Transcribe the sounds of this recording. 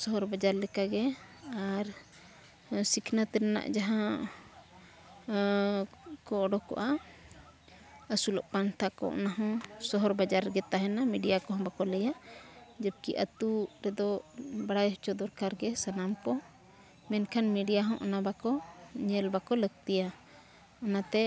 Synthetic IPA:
sɔɦɔɾbad͡ʒaɾlɛkaɡɛaɾ | sikʰnat̪ɛɾɛna̰ʔd͡ʒaɦã | kɔːɖɔkɔ̰ʔa | əsulɔ̰ʔpant̪ʰakɔ̰ʔnaɦɔ̃sɔɦɔɾbad͡ʒaɾɡɛt̪aɦɛnamiɖijakɔɦɔ̃bakɔləjad͡ʒəp̚kiʔə̰t̪uɾɛd̪ɔbaɽajɦɔt͡ʃɔd̪ɔɾkaɾɡɛsanampɔ | mɛnkʰanmɛɖijaɦɔ̃ʔɔnabakɔɲɛlbakɔləɡ̚t̪ija | ɔnat̪ɛ

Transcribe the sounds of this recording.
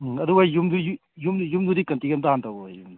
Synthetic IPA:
ɐduajjumduju | jumjumdudikɐntiɡemtaɦantawojm

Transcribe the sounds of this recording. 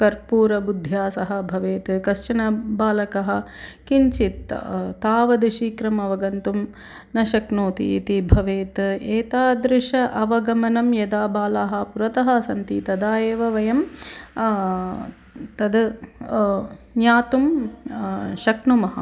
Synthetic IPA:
kɐɾpuːɾɐbud̪ʱjaːsɐɦɐbʱɐʋeːt̪kɐst͡ʃɐnɐbaːlɐkɐɦɐ̆kiɲt͡ʃit̪t̪aːʋɐd̪iʃiːkɾɐmɐʋɐɡɐnt̪um | nɐʃɐknoːt̪ḭḭt̪ibʱɐʋeːt̪eːt̪aːd̪ɾɪʂɐʔɐʋɐɡɐmɐnɐmjɐd̪aːbaːlaːɦɐ̆puɾɐt̪ɐɦɐsɐnt̪it̪ɐd̪aːjeːʋɐʋɐjɐm | t̪ɐd̪ | njaːt̪um | ʃɐknumɐɦɐ̰

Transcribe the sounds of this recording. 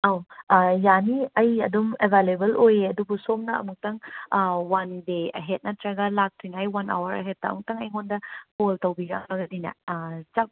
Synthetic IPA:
ɐwjaniɐjɐ̰dumebʱalebɐlʔojɐdubusomnɐɐ̰muk̚tɐŋwandeɐ̰ɦet̚nɐtʰɾɐɡɐlak̚tʰujnajwɐna̰wɐɾɐ̰ɦet̚taɐ̰muk̚tɐŋɐjɦondɐpoltɐwbiɡa̰ŋmɐɡɐdinɐ̰t͡ʃap̚

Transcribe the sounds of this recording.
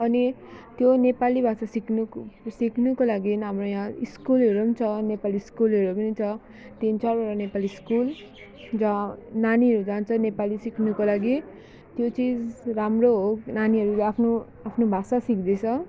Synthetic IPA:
ʌni | t̪jonepalibʱasasiknusikʰnukolaɡinɦamrojãiskulɦʌɾuʌnt͡sʰʌnepaliskulɦʌɾumʌnit͡sʰʌ | t̪int͡sarbʌɾʌnepaliskul | d͡zananiɦʌɾud͡zant͡sʰʌnepalisikʰnukolaɡi | t̪jot͡sid͡zramroɦonaniɦʌɾuleapʰno | apʰnobʱasasikd̪et͡sʰʌ

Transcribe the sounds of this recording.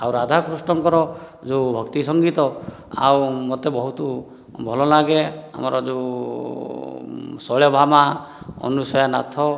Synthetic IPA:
awɾad̪ʱakɾusʈɔŋkɔɾɔd͡ʒeubʱɔkt̪isɔŋɡit̪ɔ | a̰wmot̪ebɔɦut̪u | bʱɔlɔlaɡea̰mɔɾɔd͡ʒe | sɔɭjɔbʱamaɔ̰nusɔjana̰t̪ʰɔ

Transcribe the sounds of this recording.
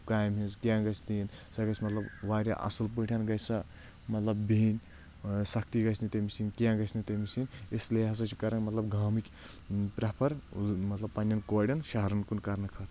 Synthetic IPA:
kaːjmɦizkʲjãːɡɐsʲd̪insɐɡɐsmɐt̪lɐbʋaːɾʲa̰ʔɐ̰sɨlp̬ɨʈʲʰɐnɡɐjsɐ | mɐt̪lɐbbinʲ | sɐk̚ʰt̪iɡɐsʰnit̪ɐmisinkjãːɡɐsʲnit̪ɐmisinʲisleɦɐs̬ɐt͡ʃʰi̥kɐɾɐnmɐt̪lɐbɡʱaːmikʲ | pɾɐpʰɐɾmɐt̪lɐb̚pːɐnʲːɐnkoːɽʲɐnʃaɦɾɐnkunkɐɾnɨkʰɐt̪ʰ

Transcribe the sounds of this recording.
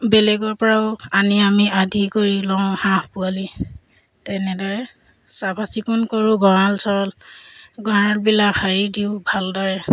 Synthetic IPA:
bɛlɛɡɔɹpɔɹaʊaniamiadʱikoɹilɔŋhãhpuali | tɛnɛdɔɹɛ | sabʱasikunkoɹuɡɔɹalsɔlɡɔɹaɹbilakhaɹidiʊbʱaldɔɹɛ

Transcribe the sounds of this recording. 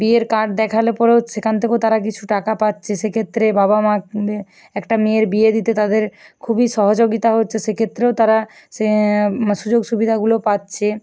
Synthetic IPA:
bieɾkaʈ̚d̪ɛkʰalepɔɾeoʃekʰant̪ʰekeot̪aɾak̬it͡ɕʰuʈakapatːɕʰeʃekʰet̪ːɾebabama | ɛkʈamieɾbied̪it̪et̪ad̪eɾkʰubiʃɔɦod͡ʑoɡit̪aɦotːɕʰeʃekʰet̪ːɾeot̪aɾa | eʃud͡ʑoɡʃubid̪ʱaɡulopatːɕʰe

